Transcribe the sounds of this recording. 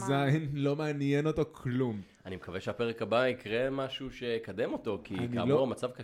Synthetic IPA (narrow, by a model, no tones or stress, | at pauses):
zainlo̞meanjeno̞t̪okʰlum | animekaveʃeapeʁekabaikʁe̞maʃuʃe̞kad̪emo̞to̞kinkia̰mlooʁamat͡savka